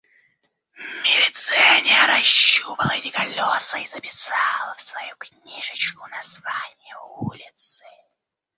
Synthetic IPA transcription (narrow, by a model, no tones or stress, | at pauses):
mʲɪlʲɪt̪sɛnʲɪjəɾɐɕːupəlˠəɛtʲɪkɐlʲosəizəpʲɪ̥salˠəfsvɐjuknʲiʐɨt͡ɕkʊnɐzvanʲɪjəulʲɪt̪sɨ